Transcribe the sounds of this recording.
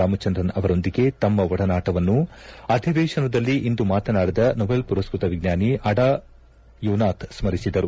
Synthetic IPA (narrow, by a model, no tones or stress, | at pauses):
aːmɐt͡ʃɐnd̪ɾɐnɐʋɐɾo̞nd̪iɡe̞t̪ɐmːɐʋɐɽɐnaːʈɐʋɐnːuɐd̪ʱiʋɛːʂɐnɐd̪ɐlːiʔind̪umaːt̪ɐnaːɽid̪ɐnɔbelpuɾɐskɾut̪ɐʋiɡnjaːniʔɐɽaː | juːnaːt̪ʰsmɐɾisid̪ɐɾu